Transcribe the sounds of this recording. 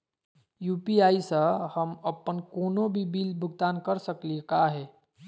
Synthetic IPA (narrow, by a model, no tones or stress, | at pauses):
juːpiaːisəhəməpːənkoːnobʱibiːlbʱʊɡ̚t̪aːnkəɾsəkliekaɦeː